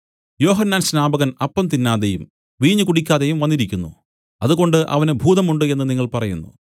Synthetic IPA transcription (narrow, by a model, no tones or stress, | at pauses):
jo̞ːɦɐnːaːnɕnaːbɐɣɐnɐpːɐmt̪inːaːðejum | ʋiːɲːɨkuɽikʲːaːðejumʋɐnːiɾikʲːunːṵ | ɐðuɣo̞ɳɖɨʔɐ̰ʋɐnebʱuːðɐmuɳɖɨe̞nːɨniŋːɐɭpɐrɐjunːṵ